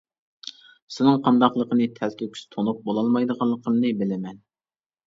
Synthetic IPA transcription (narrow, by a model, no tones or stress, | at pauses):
sɪnɨŋqʰɑnd̪ɑχlˠəqənɨt̪ʰælkʲʰekʲʰy̥st̪ʰonup̚bolˠɑlˠmɑjd̪əʁɑlˠːəqʰəmnɨbɪlɪmɛn